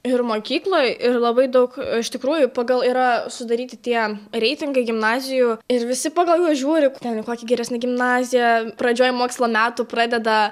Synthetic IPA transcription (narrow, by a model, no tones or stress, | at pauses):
ɪrmoːkʲiːklˠoːjɪrlˠɐbɐɪd̪ɐʊkɪʃt̪ʲɪkɾuːjʊpɑːɡɐlˠiːɾɐsʊd̪ɐɾʲiːt̪ʲɪt̪ʲiɛɾʲɛɪt̪ʲɪŋɡɐɪɡʲɪmnɑːzʲɪjʊɪɾʋʲɪsʲɪpɑːɡɐlˠjuɔʒʲuːɾʲɪkt̪ʲɛnkoːkʲɪɡʲɛɾʲɛsʲnʲɪɡʲɪmnɑːzʲɪjɛpɾɐd͡ʒʲuːjɪmoːkslˠɐːmʲæːt̪ʊprɑːd̪ʲɛd̪ɐ